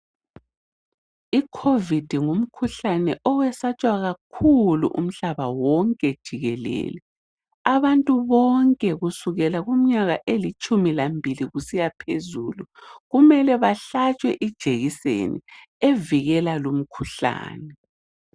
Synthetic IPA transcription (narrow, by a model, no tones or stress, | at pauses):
ikʰovid̥ʱiŋum̩kʰuɬanɛʔɔwɛsat͡ʃʼwaɣakʰulṵʔṵm̩ɬaβawɔŋkʼɛd̥ʒ̥ʱiɣɛlɛ̰ːlɛ | aβantʼuβɔŋkʼɛɣusuɣɛlaɣum̩ɲaɣaʔelit͡ʃʼumilambʱiliɣusijapʰezuːluɣumɛlɛβaɬat͡ʃʼwɛʔid̥ʒ̥ʱeɣisḛnḭ | eviɣɛlalum̩kʰuɬa̰ːnɛ